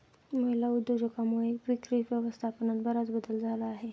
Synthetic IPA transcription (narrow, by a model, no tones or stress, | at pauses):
məɦilaud̪ːəd͡ʑəkamuɭepɾikɾiʋjəʋəst̪ʰapənat̪̚bəɾat͡sbəd̪əld͡zʱalaːɦe